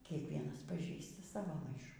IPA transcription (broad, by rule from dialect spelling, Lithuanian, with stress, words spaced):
kʲiɛkˈʋʲiɛnɐs pɐˈʒʲiːstɐ ˈsɑːʋoː ˈmɐɪʃuː